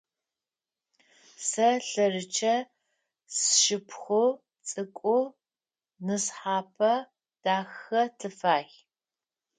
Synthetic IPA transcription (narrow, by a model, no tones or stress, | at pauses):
sɐɬɐrɨt͡ʃʰɐ | sʃɪpʰxʷo | t͡sʼɨkʷʼʊ | nɨsħaːpʰɐ | d̥aːxɐtʰɨfaːx